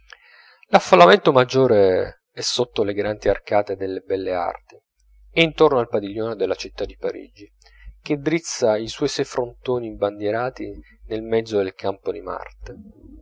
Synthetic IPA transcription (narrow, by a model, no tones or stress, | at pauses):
lafːalːament̪omad͡ʒːoːɾe | ɛsːot̪ːoleɡɾant̪iarkaːt̪ed̪elːebɛlːea̰rt̪i̥ | ɛint̪ornoalpad̪iʎːoːned̪elːat͡ʃit̪ːad̪ːipaɾḭːd͡ʒi | k̟ed̪ɾit̪sːaiswɔjsɛjfɾont̪oːniband̪jeɾaːt̪i | nelmɛd̪zːod̪elkʰampod̪ḭma̰rt̪e